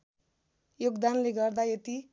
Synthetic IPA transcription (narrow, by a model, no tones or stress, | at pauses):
joɡd̪anleɡʌrd̪ajet̪i